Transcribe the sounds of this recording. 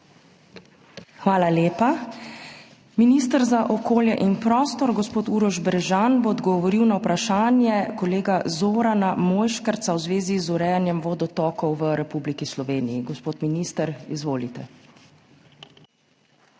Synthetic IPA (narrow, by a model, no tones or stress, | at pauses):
xʋaːlaleːpa | minist̪əɾzaʔɔkoːljɛʔinpɾɔːst̪ɔɾɡɔspoːt̪uːɾɔʒbɛɾɛʒanboːd̪ɡɔʋɔɾiwnawpɾaʃaːnjɛkɔleːɡazoːɾanamoːjʃkaɾt̪sawzʋeːzizuɾɛːjanjɛmʋɔd̪ɔt̪ɔːkɔwʋəɾɛpublikislɔʋeːnijiɡɔspoːt̪miniːst̪əɾizʋoːlit̪ɛ